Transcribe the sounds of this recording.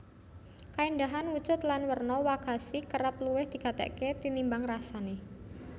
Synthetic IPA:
kaind̪aɦanwut͡ʃʊt̪lanwərnɔwaɡ̥a̤sikəɾəpluwɪhd̪̥i̤kat̪ɛ̰ʔket̪inimbaŋrasane

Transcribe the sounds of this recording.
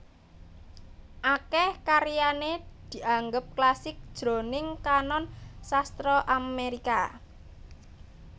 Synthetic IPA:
ʔakɛhkaɾijaned̪̥i̤ʔaŋɡəp̚klasɪk̚d̥ʒ̥ɾo̤nɪŋkanɔnsast̪ɾɔʔameɾika

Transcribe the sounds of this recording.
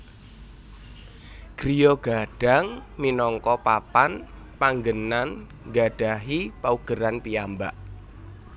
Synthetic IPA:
ɡ̥ɾijɔɡ̥a̤ɖ̥a̤ŋminɔŋkɔpapan | paŋɡənan | ɡa̤ɖ̥a̤ɦipauɡ̥əɾanpiambaʔ

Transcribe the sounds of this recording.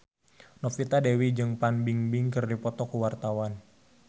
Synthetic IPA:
nɔpfit̪adewid͡ʒɨŋpanbiŋbiŋkɨrdipɔt̪ɔkuwart̪awan

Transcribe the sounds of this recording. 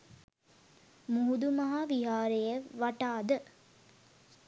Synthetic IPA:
muɦud̪umɐɦaʋiɦaːɾejəʋaʈaːd̪ə

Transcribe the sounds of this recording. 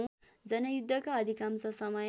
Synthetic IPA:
d͡zʌnʌjud̪ʱːʌkaʌd̪ʱikamsʌsʌmʌj

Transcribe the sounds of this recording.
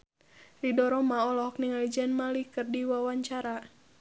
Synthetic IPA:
ridɔɾɔmaɔlɔɔk̚niŋalid͡ʒanmalikɨrdiwawaɲt͡ʃaɾa

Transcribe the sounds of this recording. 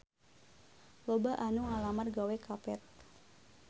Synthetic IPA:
lobaʔanuŋalamarɡawekʰapɛt̪̚

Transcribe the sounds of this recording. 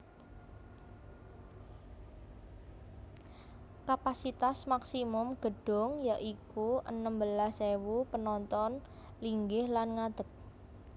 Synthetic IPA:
kapasit̪asmaksimʊmɡ̥ə̤ɖ̥ʊ̤ŋjaʔikuʔənəmbəlasewupənɔnt̪ɔn | liŋɡɪhlanŋad̪̥ək̚

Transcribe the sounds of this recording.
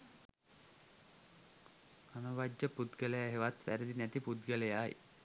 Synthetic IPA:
anɐʋad͡ʒːəpud̪ɡəlejaɦeʋat̪ʋæɾəd̪inæt̪ipud̪ɡəlɐjaːj̰

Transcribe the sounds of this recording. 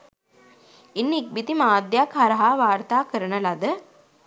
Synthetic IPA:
inːik̚bit̪imaːd̪jakhɐɾɐɦaːʋaːɾt̪aːkəɾənəlɐd̪ə

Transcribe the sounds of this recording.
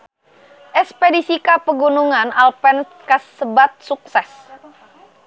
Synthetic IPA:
ʔɛspedisikapəɡunuŋanalpɛn | kasəbat̪̚suk̚sɛs

